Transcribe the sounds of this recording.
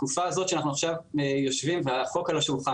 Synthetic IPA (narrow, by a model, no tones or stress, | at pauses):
kufazo̞tʃanaχnuaχʃavejo̞ʃvimveaχo̞kalo̞ʃevuχa